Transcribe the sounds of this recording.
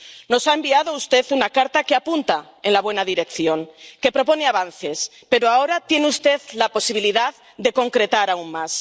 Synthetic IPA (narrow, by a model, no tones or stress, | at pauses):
no̞saembiað̞o̞ust̪e̞θunakaɾt̪akeapunt̪a | e̞nlaβwe̞naðiɾe̞kθjo̞ŋke̞pɾo̞po̞neaβ̞anθe̞s | pe̞ɾoaoɾat̪jeneust̪e̞ðlapo̞siβ̞iliðað | ðe̞ko̞ŋkɾe̞t̪aɾauŋmas